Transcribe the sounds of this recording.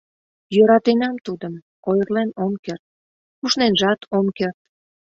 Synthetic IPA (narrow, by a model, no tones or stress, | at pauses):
jøɾɑt̪enɑmt̪ud̪əm | ojərlenomkert̪̚ | kuʃnenʒɑt̪ʰomkert̪